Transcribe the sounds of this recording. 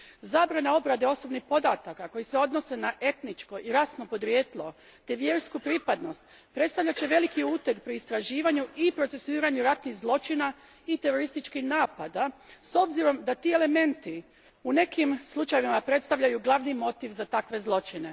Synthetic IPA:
zaːbɾaneo̞bɾad̪e̞o̞so̞bnixpo̞d̪a̰t̪akako̞jise̞o̞d̪no̞se̞naʔe̞t̪nit͡ʃko̞ʔiɾasno̞po̞d̪ɾjeːt̪lˠo | t̪eʋje̞ɾskupɾipad̪no̞st̪ | pɾet̪st̪aʋʎʲat͡ɕe̞ʋe̞likiuːt̪ekpɾiːst̪ɾaʒiːʋaɲuipɾo̞t̪se̞suiːɾaɲuɾat̪nixzlˠo̞t͡ʃina | it̪e̞ɾo̞ɾist̪it͡ʃkihnaːpad̪aso̞bziɾo̞md̪at̪iːe̞le̞me̞nt̪i | une̞kimslˠut͡ʃajeʋimapɾe̞t̪st̪aʋʎajuɡlˠaʋnimo̞t̪iʋzat̪akʋe̞zlˠo̞t͡ʃine̞

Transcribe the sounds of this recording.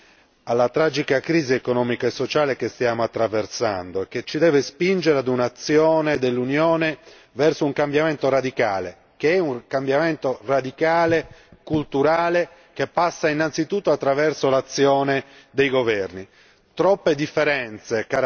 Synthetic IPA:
alːat̪ɾaːd͡ʒikakɾiːziekonɔːmikaesːot͡ʃaːlekest̪jaːmoat̪ːɾaversa̰nd̪oek̟ːet͡ʃːid̪ɛːvespind͡ʒeɾead̪unat̪sːjɔːned̪elːunjɔːne | vɛrsouŋkambjament̪oɾad̪ikaːlḛ | keɛuŋkambjament̪orad̪ikaːlekult̪uɾaːle | k̟epːasːainːant̪sit̪ut̪ːoat̪ːɾavɛrsolat̪sːjɔːne | d̪ejɡovɛrni | t̪ɾɔpːed̪ifːeɾɛnt̪seka

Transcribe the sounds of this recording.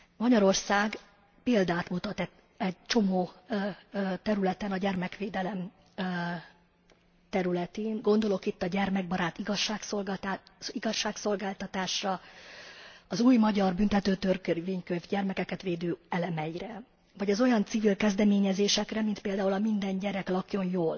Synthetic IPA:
mɒɟɒɾo̞rsaːɡ | peːld̪aːt̪mut̪ɒt̪ɛ | ɛɟt͡ʃo̞moː | t̪ɛɾylɛt̪ɛnɒɟɛrmɛkʋeːd̪ɛlɛm | t̪ɛɾylɛt̪eːŋɡo̞nd̪o̞lo̞kit̪ːɒɟɛrmɛɡ̚bɒɾaːt̪iɡɒʃaːksolɡ̪iɡɒʃːaːkso̞lɡaːlt̪ɒt̪aːʃrɒ | ɒzuːjmɒɟɒrbynt̪ɛt̪øːt̪ørkveːɲkøvɟɛrmɛkɛkɛt̪ʋeːd̪øːɛlɛmɛjiɾɛ | vɒɟɛzo̞jɒnt̪sivilkɛzd̪ɛmeːɲɛzeːʃɛkrɛmint̪peːld̪aːulɒmind̪ɛɲɟɛɾɛklɒkjo̞njoːl

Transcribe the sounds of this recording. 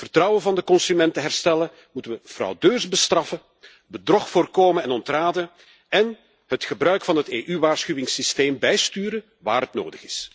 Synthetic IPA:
v̥ərtrɑwəvɑndəkɔnsymɛntəɦɛrstɛlə | mutəʋəfrɑ̰wdøːrzbəstrɑfə | bədrɔxfoːrkoːmənɛnɔntraːdə | ɛn | hətxəbrœɥkfɑnɦəteːʔyʋaːrsxywɪŋsisteːmbɛjstyːɾə | ʋa̰ːɾətno̰ːdəɣɪs

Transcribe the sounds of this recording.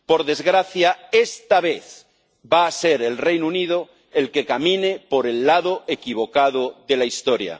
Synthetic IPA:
po̞ɾðe̞zɣɾaθjaest̪aβ̞e̞θ | baːseɾe̞lrejnunið̞o | e̞lke̞kamĩnepo̞ɾe̞lːaðoekiβ̞o̞kaðoðe̞laist̪oɾja̰

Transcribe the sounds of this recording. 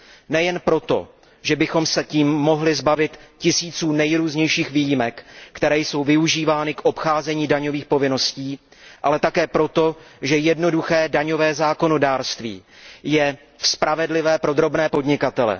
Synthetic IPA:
nɛjɛnpɾo̞t̪o̞̰ | ʒɛbɪxo̞msɛciːmːo̞ɦlɪzbavɪt̪cɪsiːt͡suːnɛjɾuːzɲɛjʃiːxviːjimɛkːt̪ɛɾɛːjso̞wvɪuʒiːvaːnɪkʔo̞pxaːzɛɲiːdaɲo̞viːxpo̞vɪno̞sciː | ʔalɛt̪akɛːpɾo̞t̪o̞ʒɛjɛdno̞duxɛːdaɲo̞vɛːzaːko̞no̞daːɾst̪vḭːjɛ | fspɾavɛdlɪvɛːpɾo̞d̪ɾo̞bnɛːpo̞dɲɪkat̪ɛlɛ̰

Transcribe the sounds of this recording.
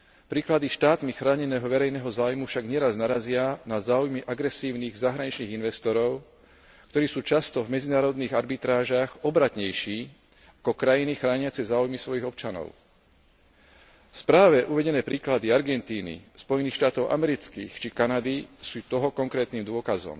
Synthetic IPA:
pɾiːklad̪iʃt̪aːt̪mixɾaːɲɛnɛːɦɔʋɛɾɛjnɛːɦɔzaːujmufʃaɡɲɛɾaznaɾazɪanazaːujmiʔaɡɾɛsiːʊniːɣzaɦɾaɲit͡ʃniːɣinʋɛst̪ɔɾɔʊ | kt̪ɔɾiːsuːt͡ʃast̪ɔvmɛd͡zinaːɾɔd̪niːɣaɾbit̪ɾaːʒaxɔbɾat̪ɲɛjʃiː | akɔkɾajinixɾaːɲɪat͡sɛzaːujmisʋɔjiɣɔp̚t͡ʃanɔ̰ʊ | fspɾaːʋɛʔuʋɛɟɛnɛːpɾiːklad̪iaɾɡɛnt̪iːnḭspɔjɛniːxʃt̪aːt̪ɔʊʔa̰mɛɾit͡skḭːxt͡ʃikanad̪isuːt̪ɔɦɔkɔŋkɾɛːt̪niːmd̪ʊɔkazɔ̰m

